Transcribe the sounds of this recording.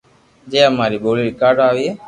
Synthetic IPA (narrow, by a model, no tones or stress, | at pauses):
d͡ʒeːəmaːɾiːɓoːliːɾikaːɾɖaːʋiːɦeː